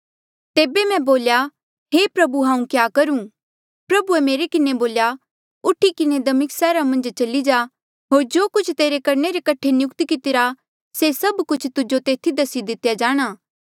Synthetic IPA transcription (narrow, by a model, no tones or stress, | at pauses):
t̪eːbemɛ̃boːlja | ɦepɾɐbuɦãːũkjaːkɐɾũ | pɾɐbuemeːɾekɪneboːlja | ʊʈʰikɪned̪ɐmɪksɛːɾamɐ̃nd͡ʒt͡ʃɐlid͡ʒaː | ɦoːɾd͡ʒoːkʊt͡ʃʰt̪eːɾekɐɾneɾekɐʈʰenjʊkt̪ikɪt̪ɪɾa | sesɐbkʊt͡ʃʰt̪ʊd͡ʒot̪eːt̪ʰid̪ɐsid̪ɪt̪jad͡ʒaːɽ̃aː